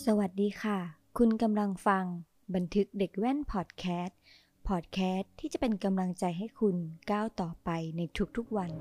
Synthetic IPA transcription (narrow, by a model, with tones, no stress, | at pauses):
sa˧wa˨˩t̪̚diː˧kʰa˥˩kʰu˧nka˧mla˧ŋfa˧ŋ | ba˧nt̪ʰɯ˦˥k̚de˨˩k̚wɛː˥˩npʰɔː˨˩t̪̚kʰɛː˦˥t̪̚ | pʰɔː˨˩t̪̚kʰɛː˦˥t̪ʰːiː˥˩t͡ɕa˨˩pe˧nka˧mla˧ŋt͡ɕa˧jɦa˥˩jkʰu˧nkaː˥˩wt̪ɔː˨˩pa˧jna˧jt̪ʰu˦˥k̚t̪ʰu˦˥k̚wa˧n